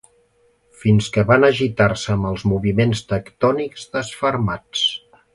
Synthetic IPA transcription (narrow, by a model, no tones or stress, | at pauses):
finskəβanəʒit̪arsəːməlˠzmuβimenst̪əkt̪ɔnikzðəsfəɾmat͡s